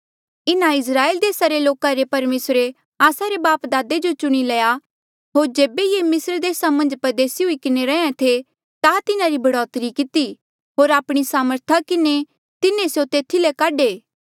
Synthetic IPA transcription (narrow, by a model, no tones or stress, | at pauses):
ɪnãɪs̬ɾaːeːld̪eːsaɾeloːkaɾepɐɾmeːsɾe | aːsaɾebaːpd̪aːd̪ed͡ʒot͡ʃʊɽ̃ilɐja | ɦoːɾd͡ʒeːbejemɪsɾd̪eːsamɐ̃nd͡ʒpɐɾd̪eːsiɦʊikɪneɾɛ̃ẽt̪ʰe | t̪at̪ɪnãɾibʱɐɽɔːt̪ɾikɪt̪i | ɦoːɾaːpɽ̃isaːməɾt̪ʰakɪne | t̪ɪnẽsjot̪eːt̪ʰilekaːɖeː